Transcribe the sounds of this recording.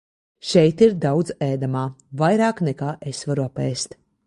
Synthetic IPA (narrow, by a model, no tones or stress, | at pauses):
ʃɛjt̪iɾd̪awd̪zɛːd̪amaːvajɾaːknɛkaːʔesvaɾuapɛːst̪